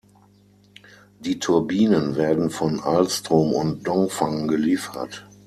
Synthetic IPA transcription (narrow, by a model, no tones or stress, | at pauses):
d̥iːtʰʊɐbiːnənveːɐdn̩fɔnalstʁoːmʊnt̚d̥ɔŋfaŋnɡəliːfɐ̰t